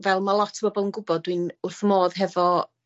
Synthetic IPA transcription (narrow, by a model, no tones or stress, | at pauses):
vɛlˠmalˠɔtʰbɔbɔlˠənɡʊbɔdwɨnʊrθmoːðɦɛvɔ